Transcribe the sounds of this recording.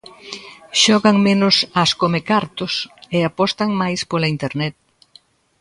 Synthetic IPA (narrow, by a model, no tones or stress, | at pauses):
ʃɔɣaŋmenʊsaskomekaɾt̪ʊseapɔst̪aŋmajspolaint̪eɾnɛt̪̚